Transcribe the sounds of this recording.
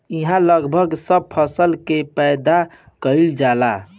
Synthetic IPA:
iɦãləɡbʱəɡsəb̚pʰəsəlkepəjd̪a | kəɪld͡ʒala

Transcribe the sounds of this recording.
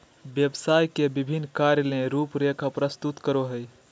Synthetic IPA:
bjəbsajkebibʱinːkaɾjəlẽɾupɾekʰapɾəst̪ut̪kəɾoɦəj

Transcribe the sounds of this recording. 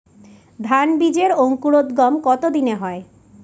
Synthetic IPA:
d̪ʱanbid͡ʑeɾoŋkuɾod̪ɡɔmkɔt̪od̪ineɦɔe

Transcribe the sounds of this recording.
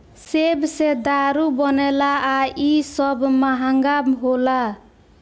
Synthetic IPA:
sebsed̪aɾubɔnɛlaːisʌbmaɦaŋɡamɦola

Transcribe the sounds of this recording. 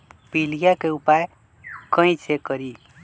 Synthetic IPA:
pilijakeupaj | kʌ̃ĩt͡sʰekʌɾi

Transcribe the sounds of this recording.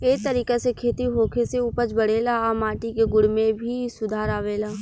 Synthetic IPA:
eːkt̪ɐɾiːkesekʰeːt̪iɦoːkʰeseʊpət͡ʃbɐɽ̤eːlaamaːʈikeɡʊɽmẽbʱisʊd̪ʱaːɾaːʋeːlaː

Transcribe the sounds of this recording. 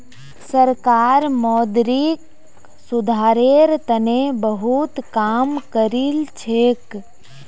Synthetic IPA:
səɾkaːɾmɔːd̪ɾik | sʊd̪ʱaːɾeɾt̪ənebəɦut̪kaːmkəɾilt͡ʃʰeːk

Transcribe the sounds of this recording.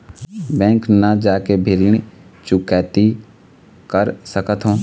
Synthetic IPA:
bɛ̃ːŋknəd͡ʒaːkebʱɪɾiɳ̃t͡ʃʊkɛːt̪i | kəɾsəkət̪ɦõː

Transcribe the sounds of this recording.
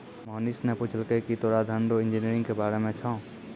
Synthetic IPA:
mɔːnisnɛpʊt͡ʃʰəlkekit̪oːɽad̪ʱəɳɖoɪ̃nd͡ʒiniɾɪ̃ŋɡkebaːɾemẽt͡ʃʰɔ̃ː

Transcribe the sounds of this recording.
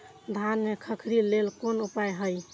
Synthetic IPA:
d̪ʱanmekʰəkʰɾilelkonupajɦəj

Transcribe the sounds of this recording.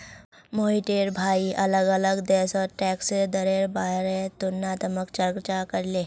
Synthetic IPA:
moːiʈeːɾbʱaːiʔɐləɡɐləɡd̪ɛːsɔːɾʈɛːksed̪ɐɾeːɾbaːɦɾet̪ʊnːaːt̪əməkt͡ʃəɾɡt͡ʃakəɾleː

